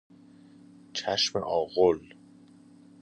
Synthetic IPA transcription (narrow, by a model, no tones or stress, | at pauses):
t͡ʃʰæʃmḛʔɒːɣol